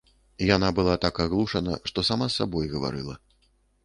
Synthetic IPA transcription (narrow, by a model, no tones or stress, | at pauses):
janabɨlˠat̪akaɣlˠuʂɐnɐ̰ʂt̪ɔsamasːabɔjɣɐva̰ɾɨlˠɐ